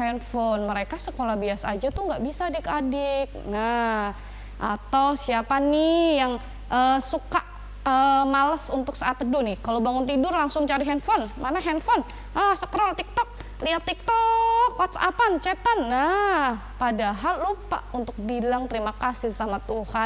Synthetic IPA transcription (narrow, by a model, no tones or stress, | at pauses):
hɛnfɔnməɾekasəkolahbiasaːd͡ʒat̪uŋɡaʔbisaːdɪkadɪk̚na | ʔa̰t̪awsiapanɪjaŋ | ʔəsukaʔ | əmalasunt̪ʊksaʔat̪ədunɪkalobaŋʊnt̪̬idʊrlaŋsʊŋt͡ʃaɾiɦɛnfɔnmanaɦɛnfɔn | ʔahsəkəɾɔlt̪ik̚t̪ɔk̚ | liat̪ːik̚t̪ɔkːɔt̪sa̰pant͡ʃɛt̪anːa | padaɦalːupa̰unt̪ʊk̚bilaŋt̪əɾimakasɪsamat̪uha